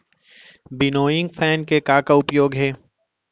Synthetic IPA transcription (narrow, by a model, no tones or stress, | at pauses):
bɪnoːjɪ̃ŋɡfʰɛːnkekaːkaʊpjoːɡɦɛː